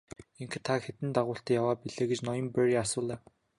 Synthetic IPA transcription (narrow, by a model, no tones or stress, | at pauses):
eŋxt̪ʰːaxet̪ɘ̆nt̪aʁʊːɬt̪ɛjawaːpiɮeːɡet͡ɕnɔjɞ̆mpeɾiasʊːɮæːw